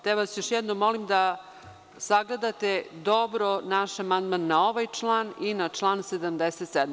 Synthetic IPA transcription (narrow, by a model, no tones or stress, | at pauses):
t̪eʋasjoʃjɛd̪nomːo̞limd̪a | saɡle̞d̪at̪ed̪o̞bɾonaʃamand̪manːao̞ʋajt͡ʂlˠaːninat͡ʂlˠaːnsed̪amd̪eset̪sɛd̪